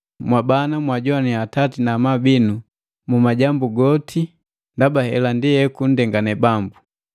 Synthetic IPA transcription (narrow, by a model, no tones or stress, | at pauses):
mwabanamwaɟɔaniatatinamabinu | mumaɟambuɡɔtʰi | ndabahɛlandijɛkun̩dɛŋɡanɛbambu